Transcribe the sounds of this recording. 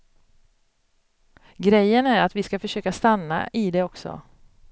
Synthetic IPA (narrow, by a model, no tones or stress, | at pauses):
ɡɾɛjːənæɾat̪vɪskafœʂøːkast̪anːa̰ʔɪd̪ɛɔksɔ̰